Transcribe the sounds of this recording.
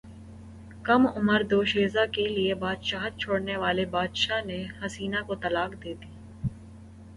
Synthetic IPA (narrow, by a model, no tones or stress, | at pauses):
kɐmʊməɾd̪oːʃeːzakeliebaːd̪ʃaːɦt̪̚t͡ʃʰoːɽneʋaːlebaːd̪ʃanehɐsiːnakot̪ɐlaːkd̪eːt̪iː